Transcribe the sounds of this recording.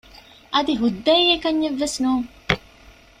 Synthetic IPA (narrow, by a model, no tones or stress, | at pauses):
ʔɐd̪iɦud̪ːɐjekɐɲːeʋːesnuːŋ